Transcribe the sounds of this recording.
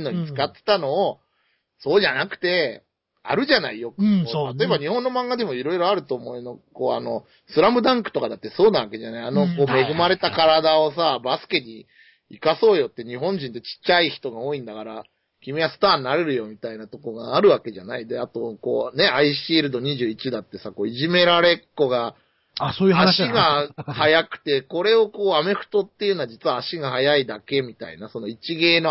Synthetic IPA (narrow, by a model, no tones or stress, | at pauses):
nːo̞ɲ̟it͡sɨ̥kat̪ːe̥t̪ano̞ː | so̞ːʑanakɯ̟̥t̪e̞ | a̰ɾɯ̟ʑana̰ijo̞k̪at̪o̞e̞baɲ̟ihõ̞nːo̞mãŋɡad̪e̞mo̞iɾo̞iɾo̞aɾɯ̟t̪o̞ːmo̞eno̞ko̞̰ːa̰no̞ | sɨɾambɯ̟d̪ãŋkɯ̟̥t̪o̞kad̪at̪ːe̞so̞ːnaβ̞ake̞ʑanaiano̞ko̞ːme̞ɡɯ̟maɾe̞t̪akaɾad̪ao̞s̬abasɨ̥ke̞ɲi | ikaso̞ːjo̞t̪ːe̞ɲiɦõ̞ɲ̟d͡ʑĩnt̪e̞t͡ɕi̥t͡ɕːaiçi̥t̪o̞ɡao̞ːĩnd̪akaɾa | kʲimeasɨ̥t̪aːnːaɾe̞ɾɯ̟jo̞mʲit̪ainat̪o̞ko̞ɡaːɾɯ̟βake̞ʑanaid̪e̞at̪o̞ko̞ːne̞aiɕiːɾɯ̟d̪oɲ̟iʑɨːit͡ɕid̪at̪ːe̞sako̞ːiʑime̞ɾaɾe̞kːo̞ɡa | asoːjɯaɕiiɡahajakɯ̟̥t̪e̞ko̞ɾe̞o̞ko̞ːame̞ɸɯ̟̥t̪o̞t̪ːe̞jɯ̟noad͡ʑit͡sɨβaːɕiɡahajaid̪ake̞mʲit̪a̰ḭnaso̞no̞it͡ɕiɡe̞ːno